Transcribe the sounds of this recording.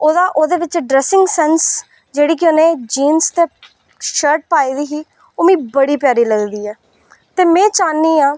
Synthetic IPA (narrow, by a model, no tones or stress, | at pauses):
oːd̪aːʔoːd̪eːʋɪt͡ʃɖɾɛːsɪ̃ŋɡsɛːns | d͡ʒeːɽiːk̬ɪoːnẽːd͡ʒiːnst̪eː | ʃəɾʈ̚paːiːd̪iːɦiː | oːmĩːbəɽiːpjaːɾiːləɡd̪iːɛː | t̪eːmɛ̃ːt͡ʃaːnːiːãː